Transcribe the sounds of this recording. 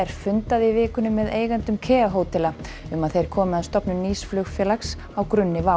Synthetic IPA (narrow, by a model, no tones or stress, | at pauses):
ɛɾ̥fʏnt̪aðɪvɪːkʏnʏmːɛðeːjɣant̪ʏmkʰɛːaɦoːwt̪ɛla | ʏmaðθejɾ̥kʰɔːmɪðaðst̪ɔpnʏmniːsflʏɣfjɛːlaks | awkɾʏnːɪva